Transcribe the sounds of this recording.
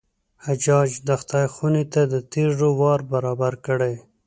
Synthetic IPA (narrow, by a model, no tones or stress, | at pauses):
had͡ʒɑd͡ʒd̪axt̪ajxunit̪ad̪ət̪eʐowɑɾbaɾɑbaɾkəɽe